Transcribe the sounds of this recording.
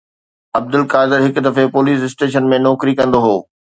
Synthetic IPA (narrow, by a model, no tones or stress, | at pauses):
ɐb̚d̪ɪlkaːd̪ɪɾɦɪkd̪ɐfepoːliːs̬ɪsʈeːʃ̬ənmẽnɔːkɾikɐ̃nd̪oɦoː